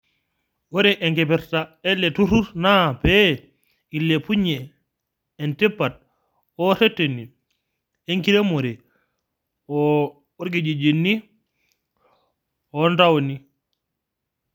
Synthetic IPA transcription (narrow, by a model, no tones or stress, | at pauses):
wɔɾɛʔɛŋkɛpɛɾtaɛlːɛtuɾuɾnapɛ | ilːepuɲɛː | ntɛpːat̚ | ɔsɛtːeni | eŋkiɾemoɾɛ | ɔ | oɾɡid͡ʒid͡ʒinːi | ɔntawoni